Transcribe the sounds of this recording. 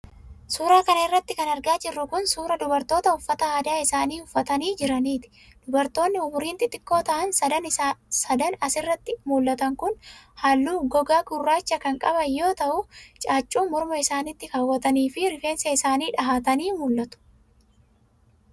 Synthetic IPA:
suːɾaːkɐnɐɪrːɐt̪ːɪkɐnɐɾɡaːd͡ʒɪrːʊkʊnsuːɾɐd̪ʊbɐɾt̪o̞ːt̪ɐʊfːɐt̪ɐaːd̪aːɪsaːniːʊfːɐt̪ɐniːd͡ʒɪɾɐniːt̪ɪ̥d̪̥ʊbɐɾt̪o̞ːnːɪʊbʊɾiːnt̪ɪt̪ːɪkːo̞ːt̪ɐʔɐnsɐd̪ɐnɪsɐd̪ɐnɐsɪrːɐt̪ːɪmuːlːɐt̪ɐŋkʊnhaːlːuːɡɔɡaːɡʊrːaːt͡ʃːɐkɐŋkʼɐbɐjo̞ːt̪ɐʔʊt͡ʃʼaːt͡ʃʼːuːmɔɾmɐɪsaːnɪt̪ːɪkɐwːɐt̪ɐniːfɪɾɪfe̞ːnsɐɪsaːniːᶑɐɦaːt̪ɐniːmuːlːɐt̪ʊ̥

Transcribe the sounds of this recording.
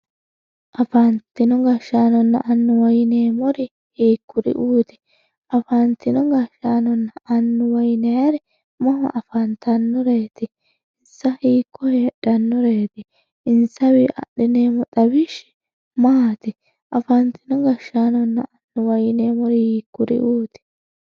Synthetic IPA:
ʔɐfɐnt̪ːɪnɔɡɐʃːaːnɔnːɐʔɐnːʊwɐjɪneːmɔɾɪ | hiːkʰːʊɾɪ̰ʔuːt̪ɪ̥ | ʔɐfant̪ɪnɔɡɐʃaːnɔnːɐʔɐnːʊwɐjnɛjɐɾɛ | mɔhɐ̰ʔɐfɐnt̪ɐnːɔɾeːt̪ɪ | ɪnsɐhiːkʰːɔheːɗɐnːɔɾeːt̪ɪ | ɪnsɐwɪʔɐ̰ɗɪneːmɔt̪ɐbɪʃɛ̥ | maːt̪ɪ | ʔɐfɐnt̪ɪnɔɡɐʃaːnɔnːɐʔɐnːʊwɐjɪneːmɔɾɪhiːkːʊɾɪ̰ʔuːt̪ɪ̥

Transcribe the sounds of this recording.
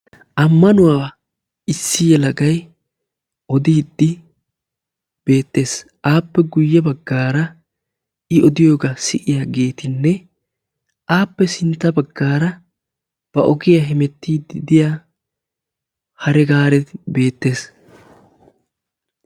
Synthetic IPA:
ʔɐmːɐnʊwaː | ɪsːɪjɛlɐɡɐj | ʔɔd̪iːd̪ːɪ | b̥e̞ːt̪ːe̞ːs | ʔaːpːɛɡʊjːɛbɐɡːaːɾɐ | ʔɪɔd̪ɪjo̞ːɡɐsɪʔɪjaːɡe̞ːt̪ɪnːɛ | ʔaːpːɛsɪnt̪ːɐbɐɡːaːɾɐ | b̥ɐʔɔɡɪjaɦɪmɛt̪ːiːd̪ɪd̪ɪjaː | hɐɾɛɡaːɾɛt̪ɪbe̞ːt̪ːe̞ːs

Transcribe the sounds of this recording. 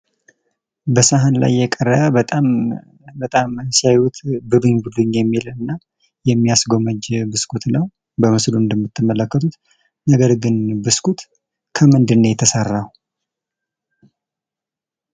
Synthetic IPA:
bəsaɦanla̰jːɛkʼərːəbət̪ʼam | bət̪ʼamsiajhut̪ʰbɨbɨɲbud̪ɨɲjɛmːilɨnːa | jɛmːijasɡo̞məd͡ʒbɨskʰut̪nəw | bəmɨsluɨnd̪əmːɨt̪ʰːɨmːələkːət̪ʰut̪ | nəɡəɾɡɨnbɨskʰut̪ | kʰəmɨnd̪ɨnːəjɛt̪ʰəsərːah

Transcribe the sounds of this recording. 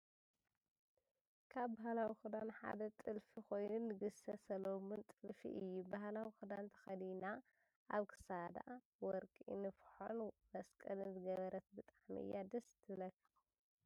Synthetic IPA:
kʰaβbahlawixɨd̪anħa̰d̪ɐt̪ʼɨlfixo̞jnunːɨɡɨsɐsɐlomɨnt̪ʼɨlfḭʔɨjːubahlawixud̪ant̪ʰɐ̥xɐd̪ina | ʔaβkʰɨ̥sad̪a̰ʔ | wɔɾkʼinɨfħo̰nmɐskʼɐlɨnzɨɡɐβɐɾɐt̪̚bɨt̪ʼaʕmiʔɨ̰jːad̪ɐst̪ʰɨlɐkʰːɐ̥x

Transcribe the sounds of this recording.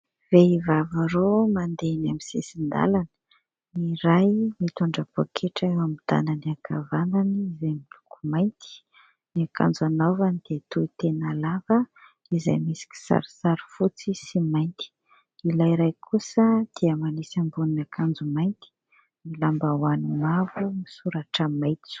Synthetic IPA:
veivavaɾomand̪enamisḛsind̪a̰lanə̥ | niɾajmat̪uɳɖ͡ʐapo̰kʰeʈ͡ʂewamid̪̥a̰nəniakʰa̰vananiizajmilukumajnt̪i̥ | niakʰa̰nd͡zanovanid̪̥et̪uit̪enalavə | iza̰jmisi̥ki̥sa̰ɾi̥saɾi̥fut͡sisimajnt̪i̥ | ilajɾajkʰusəd̪̥eəmanisambuninakʰand͡zumajnt̪i̥ | milambawanimavumisuɾaʈ͡ʂəmajt̪u̥

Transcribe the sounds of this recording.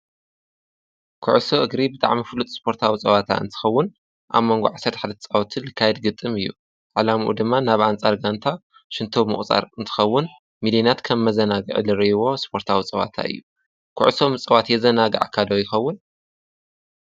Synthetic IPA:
kʰʊʕsoʔɨɡɾibɨt̪ʼa̰ʕmifɨlut̪ʼspʰo̞ɾt̪ʰawit͡sʼɐβat̪ʰa̰ɨ̰nt̪ʰɨ̥xɐwːʊn | ʔa̰βmo̞ŋɡo̰ʕasɐɾt̪ħad̪ɐt̪ʰɐt͡sʼawt̪ʰilɨkʰːajɛd̪ɡɨt̪ʼːɨmɨjːṵ | ʕalamʔṵd̪ɨmːanaβʔant͡sʼaɾɡant̪ʰa | ʃɨnt̪ʰomɨχʼt͡sʼa̰ɾɨnt̪ʰɨ̥xɐwːʊn | milinat̪kʰɐmːɐzɐnaɡɨ̰ʕ̰lɨɾɐjwo̞spʰo̞ɾt̪ʰawit͡sʼɐβa̰t̪ʰa̰ɨ̰jːu | kʰʊ̰ʕsomɨt͡sʼɐwat̪jɛzɐnaɡɐ̰ʕkʰad̪ojɪxɐwːʊn

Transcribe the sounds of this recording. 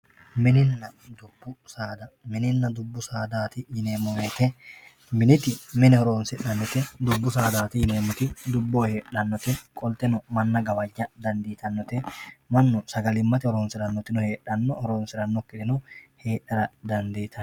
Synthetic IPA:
mɪnɪnːɐd̪ʊbːʊsaːd̪ɐmɪnɪnːɐd̪ʊbːʊsaːd̪aːt̪ɪjɪneːmːɔmeːt̪ɛ | mɪnɪt̪ɪmɪnɛhɔɾoːnsɪᶑɐnːɔt̪ɛd̪ʊbːʊsaːd̪aːt̪ɪjɪneːmːɔt̪ɪd̪ʊbːoːhe̞ːᶑɐnːɔt̪ɛkʼɔlt̪ɛnɔmɐnːɐɡɐwɐd͡ʒːɐd̪ɐnd̪iːt̪ʰɐnːɔt̪ɛmɐnːɔsɐɡɐlɪmːɐt̪ɪhɔɾoːnsɪɾɐnːɔt̪ɪnɔhe̞ːᶑɐnːɔhɔɾoːnsɪɾɐnːɔkːɪd̪ɪnɔhe̞ːᶑɐɾɐd̪ɐnd̪iːt̪ɐ

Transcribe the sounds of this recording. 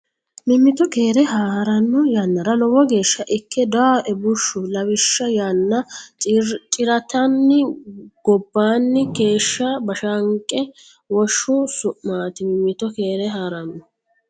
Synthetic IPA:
mɪmːɪt̪ɔkeːɾɛɦaːɾɐnːʊjanːɐɾɐlɔwɔɡe̞ːʃːɐʔɪkːɛd̪aʔɛbʊʃːʊlɐwɪʃːɐjanːɐ | t͡ʃʼɪɾɐt̪ɐnːɪɡ̥ɔbːaːnːɪɡe̞ːʃːɐbɐʃɐŋkʼːɛ | wɔʃːʊsʊʔmaːt̪ɪmɪmːɪt̪ɔke̞ːɾɛɦaːɾɐnːʊ

